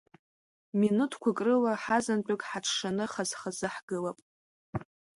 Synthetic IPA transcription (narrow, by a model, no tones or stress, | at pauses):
minutʰkʷʰakʼrɨlaħazant͡pʼʊkʼħaʈ͡ʂʰʂanɨχazχazɨħɡɨlapʼ